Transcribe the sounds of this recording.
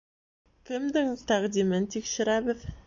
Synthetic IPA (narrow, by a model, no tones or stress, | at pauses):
kʲʰɪmd̪ɪŋt̪ʰæʁd̪imɪnt̪ʰikʃɪɾæbɘð